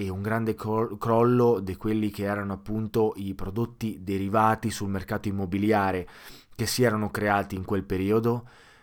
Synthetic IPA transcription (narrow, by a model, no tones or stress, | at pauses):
ɛuŋɡɾand̪ekkɾɔlːod̪ikwelːik̟eɛːɾanoapːunt̪oʔipɾod̪ot̪ːid̪eɾivaːt̪isulmerkaːt̪oimːobiljaːɾekesːiɛːɾanokɾeaːt̪iːŋkwelpeɾiːod̪o